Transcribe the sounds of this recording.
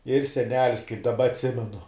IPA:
ɪr sʲɛˈnʲæːlʲɪs kɐɪp dɐˈbɐ ɐtʲˈsʲɪmʲɛnʊ

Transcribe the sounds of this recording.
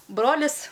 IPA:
ˈbroːlʲɪs

